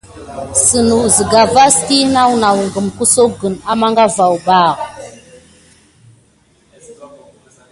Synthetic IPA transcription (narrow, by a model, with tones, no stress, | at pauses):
sə˨nu˨zi˨ɡa˨va˦sti˦na˦wna˨wŋɡə˨mku˦so˦ɡə˨na˦ma˦ŋɡa˦va˨wba˦˨